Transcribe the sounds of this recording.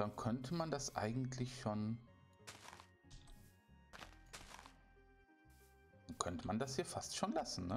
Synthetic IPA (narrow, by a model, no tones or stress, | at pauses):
d̥ankʰœntʰəmandasʔa̰ɪɡŋ̩tʰlɪçʃoːn | d̥ankʰœntəmandashiːɐfastʃoːnlasn̩nə